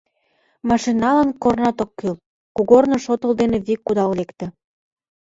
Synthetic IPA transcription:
mɑʃinːɑlɑnkornɑt̪okːyl | kuɣornŏʃot̪əld̪enĕβikːud̪ɑllekt̪ə̆

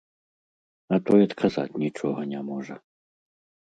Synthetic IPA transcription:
ɐt̪ɔjɐt̪kʰaza̰tʲnʲit͡ʂɔɦɐnʲɛmɔʐɛ

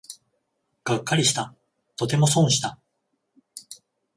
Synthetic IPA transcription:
ɡ̥akːaɾʲiɕi̥t̪a | t̪o̞t̪̬e̞mo̞sõ̞ɰ̃ɕi̥t̪a

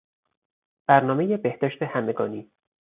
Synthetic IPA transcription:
b̥æɾnɒːmeje̞be̞hd̪̥ɒːʃt̪ʰe̞hæme̞ɡɒ̰ːniː

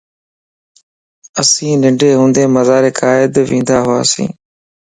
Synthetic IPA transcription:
əsĩːnɪɳɖʱeːɦũːnd̪eːməzaːɾeːkʰaːɪd̪ʋĩːnd̪aːɦʊa̰ːsḭ̃ː

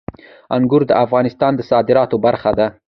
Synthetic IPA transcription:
aŋɡʊɾd̪əʔafɣɑnɪst̪ɑnd̪əsɑd̪ɪɾɑt̪obaɾxad̪a

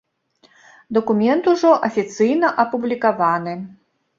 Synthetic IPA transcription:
d̪ɐkumʲɛnt̪uʐɔʔɐfʲit̪sɨjnɐʔɐpublʲikavanɨ

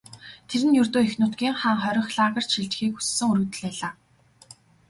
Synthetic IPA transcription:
t̪ʰeɾɘ̆njɵrt̪oːexnʊːt̪ɡʲiːŋχaːŋχœɾʲɪ̆xɮaːʁə̆r̥t͡ɕʃiɮt͡ɕ̆xiːkxu̥sːɘ̆ŋuɾɵ̆t̪ɘ̆ɮpæːɮaː

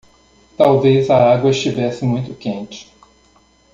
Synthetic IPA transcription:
t̪awvezɐaɡwɐɪʃt͡ʃivɛsɪmũj̃t̪ʊkẽnt͡ʃɪ̥

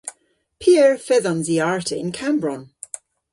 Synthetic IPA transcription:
pʰiəɹfɛðə̃nziaɹtʰɪɪ̃nkʰãmbɹɔ̃n

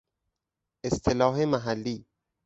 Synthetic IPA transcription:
ʔest̪ʰelɒːɦemæɦælːiː

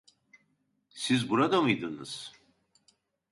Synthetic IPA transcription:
sizbuɾad̪amɯjd̪ɯnɯ̰z̥

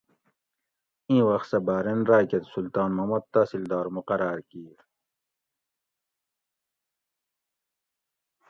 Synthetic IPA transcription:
ĩːwɐxt̪sɐbaːɾenɾaːket̪sult̪aːnmɐmɐd̪̚t̪aːsild̪aːɾmuqɐɾaːɾkiːɾ

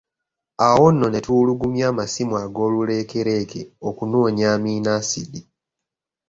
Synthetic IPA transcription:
awo̞nːo̞ne̞tuluɡumjaːmasimwaɡo̞ːlule̞ːke̞ɾe̞ːke̞̰okunoːɲaːmiːnaːsidi

